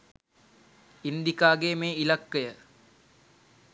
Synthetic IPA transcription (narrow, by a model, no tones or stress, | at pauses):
ind̪ikaːɡeːmeːilakːəjə